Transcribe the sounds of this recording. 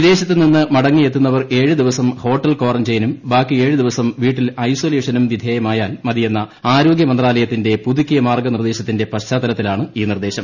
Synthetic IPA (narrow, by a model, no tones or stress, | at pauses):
ʋid̪e̞ːɕɐt̪ːɨlninːɨmɐɽɐŋːije̞t̪ːunːɐʋɐre̞ːɻɨd̪iʋɐsɐmho̞ːʈːɐlko̞ːrɐmd͡ʑejɐnumbaːkːie̞ːɻɨd̪iʋɐsɐmʋiːʈːilɐjso̞ːleːʂɐnumʋid̪ʱjeːjɐmaːjaːlmɐd̪ijenːɐaːɾo̞ːɡʲjɐmɐnd̪raːlɐjɐt̪ːinde̞pud̪ukːijɐmaːrɡɐnird̪e̞ːɕɐt̪ːinde̞pɐɕt͡ɕaːd̪ɐlɐt̪ːilaːɳɨiːnird̪e̞ːɕɐm